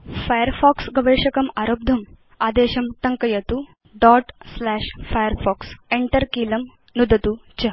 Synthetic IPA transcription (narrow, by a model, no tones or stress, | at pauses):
fajɐɾfɔːksɡɐʋeːʂɐkɐmaɾoːb̚d̪ʱɐm | aːd̪eːɕɐmʈɐŋkɐjɐt̪u | ɖɔːʈslæːʂfajəɾfɔːkseɳʈɐɾkiːlɐm | nud̪ʱɐt̪ut͡ɕɐ